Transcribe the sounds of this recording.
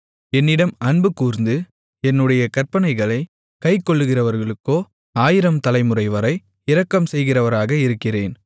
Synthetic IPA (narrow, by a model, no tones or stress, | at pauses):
ɛnːɪɽɐmɐɳbɯkuːɾnd̪ɯ | ɛnːɯɽɐjɐkɐrpɐnɐɪɣɐɭɐɪ | kɐɪkːɔɭːɯɣɪrɐʋɐɾɣɐɭɯkːoː | aːjɪɾɐmt̪ɐlɐɪmɯrɐɪʋɐɾɐɪ | ɪɾɐkːɐmsɛjɣɪrɐʋɐɾaːɣɐɪɾɯkːɪreːn